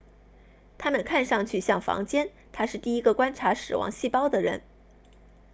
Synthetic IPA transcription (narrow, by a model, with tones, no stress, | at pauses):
t̪ʰa˥mə˨nkʰa˥˧nʂɑ˥˧ŋt͡ɕʰy˥˩ɕjɑ˥˩ŋfɑ̰˧˥ŋt͡ɕjɛ˥n | t̪ʰa˥ʂɻ̩˥˧t̪i˥˩i˥ɡə˧kwa˥nʈ͡ʂʰa˧˥ʂɻ̩˨˩wɑ̰˧˥ŋɕi˥˩pɑ˥ʊd̪ə˨ɻə̰˧˥n